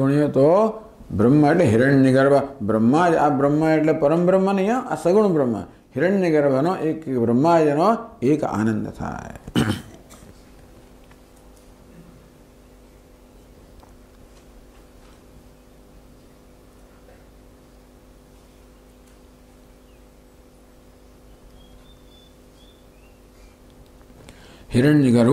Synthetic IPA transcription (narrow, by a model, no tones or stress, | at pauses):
uɳjoːt̪oː | bɾɐmːɐeʈleɦiɾɐɳniɡɐɾbʱɐbɾɐmːaːd͡ʒabɾɐmːɐeʈlepɐɾɐmbɾɐmːɐnɐjõːʔa̰sɐɡuɳ̃bɾɐmːɐ̰ | hiɾɐɳniɡɐɾbʱɐnoʔeːkbɾɐmːaːd͡ʒɐnoeːka̰ːnɐnd̪ɐt̪ʰa̰ːj | hiɾɐɳːiɡɐɾ